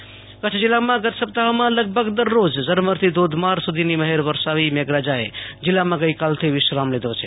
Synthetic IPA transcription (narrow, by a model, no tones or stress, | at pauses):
kət͡ʃʰd͡ʒilːamãɡət̪səp̚t̪aɦmãləɡ̚bʱəɡd̪əɾːod͡ʒzəɾməɾt̪ʰid̪od̪ʱmaɾsud̪ʱiniməɦeɾʋəɾsaʋimeɡɾad͡ʒaed͡ʒilːamãɡəjkalt̪ʰiʋisɾamled̪ot͡ʃʰɛ̥